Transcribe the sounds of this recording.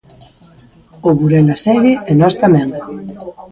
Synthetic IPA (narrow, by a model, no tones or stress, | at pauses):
oβuɾenasɛɣɪenɔst̪amɛ̃ŋ